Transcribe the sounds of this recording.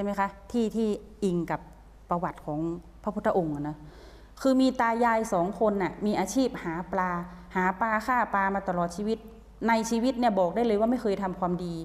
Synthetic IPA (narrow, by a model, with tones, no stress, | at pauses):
t͡ɕʰa˥˩ma˦˥jkʰa˦˥t̪ʰiː˥˩t̪ʰiː˥˩ | ʔi˧ŋka˨˩p̚ː | a˧wa˨˩t̪̚kʰɔː˩˦ŋ | pʰa˧˥pʰu˧˥t̪ʰːa˧ʔo˧ŋʔa˨˩nɔ˧˦ | kʰɯː˧miː˧t̪aː˧jaː˧jsɔː˩˦ŋkʰo˧nʔa˨˩miː˧ʔaː˧t͡ɕʰiː˥˩p̚haː˩˦plaː˧ | haː˩˦paː˧kaː˥˩paː˧maː˧t̪a˧lɔː˨˩t̪̚t͡ɕʰiː˧wi˦˥t̪̚ | na˧jt͡ɕʰiː˧wi˦˥t̪̚ni˥˩ɐbɔː˨˩k̚daː˥˩jlɤ˧jwaː˥˩ma˥˩jkʰɤː˧jt̪ʰa˧mkʰwaː˧mdiː˧